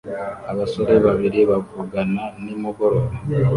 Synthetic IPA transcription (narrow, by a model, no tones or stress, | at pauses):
aβaso̞ɾe̞βaβiɾiβavuɡananimuɡoɾoɾo